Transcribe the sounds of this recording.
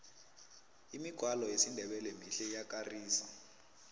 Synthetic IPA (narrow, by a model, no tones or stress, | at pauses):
imiɡ̥ʱwalɔesindʱɛɓɛlemiɬɛjak̬ʼariːsa